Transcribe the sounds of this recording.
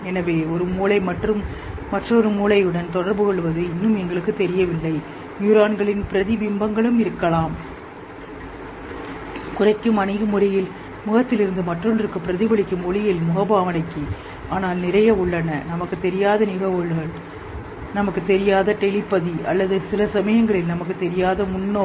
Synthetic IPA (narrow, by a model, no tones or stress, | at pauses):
ɛnɐʋeːɔɾɯmuːlɐɪmɐʈrɯmː | ɐʈrɐɔɾɯmuːlɐɪɯɽɐnt̪ɔɽɐɾbɯkɔɭːɯʋɐðɯɪnːɯmɛŋɡɐɭɯkːɯt̪ːɛɾɪjɐʋɪlːɐɪ | mjuɾaːnɡɐɭɪnpɪɾɐðiʋɪmbɐŋɡɐɭɯmɪɾɯkːɐɭaːm | kʊrɐɪkːɯmɐnɐɪɣɯmʊɾɪjɪl | mʊɣɐt̪ːɪlɪɾɯnd̪ɯmɐʈrɔndrɯkːɯpːɪɾɐðɪbɐɭɪkːɯmɔɭɪjɪlmʊɣɐbaːʋɐnɐɪkːi | ʔaːnaːlnɪɾɐjɐʊɭːɐnɐnɐmɐkːɯt̪ɛɾɪjaːðɐnɪɣɐʋɯɭɣɐɭ | nɐmɐkːɯt̪ːɛɾɪjaːðɐʈɛlɪpːɐðiɐ̰lːɐðɯsɪlɐsɐmɐjɐŋɡɐɭɪlnɐmɐk̬ːɯt̪ːɛɾɪjaːðɐmʊnːoː